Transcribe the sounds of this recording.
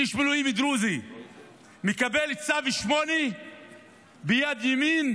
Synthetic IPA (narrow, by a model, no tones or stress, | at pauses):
iʃmeluimid̪ɾuzi | mekabelt͡saviʃmone | bejad̪jemin